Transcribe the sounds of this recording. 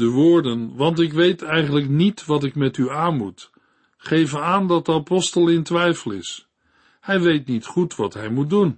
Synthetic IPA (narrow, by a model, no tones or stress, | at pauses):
dəʋʊːɹdənʋɑntɪkʋejtɛjχənləknitʋɑtɪkmɛtyaːnmut | χejvənaːndɑtdəapɔstəlˠɪntʋɛjfəlˠɪs | hɛjʋejtnitχutʋɑtɦɛjmut̚dun